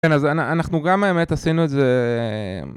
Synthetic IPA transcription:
kenazana̰naχnuɡameemet̪asinueze

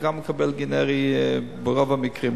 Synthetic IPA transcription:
ɡamːəkʰabɛlɡinɛʁibəʁovamikʁim

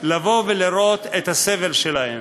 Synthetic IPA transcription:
lavo̞veliɾo̞t̪et̪haseve̞lʃelahḛm

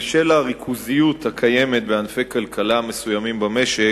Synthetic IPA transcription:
ʃelaʁikʰuzijut̪hakʰajemet̪̚beanfejkalkʰalame̞sujamimbame̞ʃe

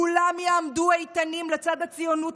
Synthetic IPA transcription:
ulamjeamduejt̪animlet͡sad̪hat͡sijonut

